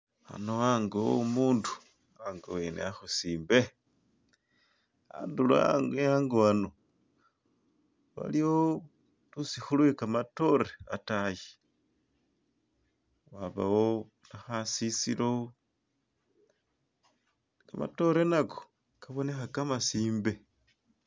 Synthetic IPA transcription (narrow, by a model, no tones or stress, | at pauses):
a̰noaŋɡomuːndu̥ | aŋɡowenḛaxusiːmbe | a̰ndula̰jaŋɡoano | βa̰lio | tusixulwekamato̞reataji | waβa̰wo | naxasisḭlo | kama̰to̞ɾenako | kaβo̞ne̞xakamasiːmbe̞